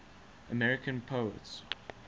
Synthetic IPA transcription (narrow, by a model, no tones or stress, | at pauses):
əmɛɹɪkə̃npʰoʊə̰ts